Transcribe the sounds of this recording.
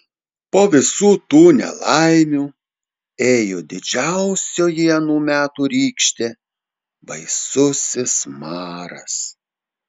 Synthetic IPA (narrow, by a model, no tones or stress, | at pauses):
poːʋʲɪsuːt̪uːnʲɛ̰lˠɑɪmʲuː | eːjoːd̪ʲɪd͡ʒʲæʊsʲoːjiɛnuːmʲæːt̪uːɾʲiːkʃʲt̪ʲeː | ʋɐɪsʊsʲɪsmɑːɾɐ̰s